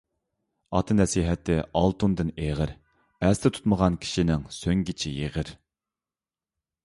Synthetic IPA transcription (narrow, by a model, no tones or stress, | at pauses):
ɑ̰t̪ʰɨnɛsiɦɛt̪ʰɪɑlˠt̪und̪ɨneʁəɾ | æst̪ɛt̪ʰu̥t̪məʁɑnkʲʰi̥ʃinɪŋsøŋɡʲit͡ʃʰijeʁəɾ